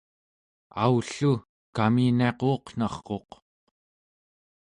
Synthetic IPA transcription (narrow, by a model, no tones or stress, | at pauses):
auɬu | kamineqoːqn̥ɑχqo̞q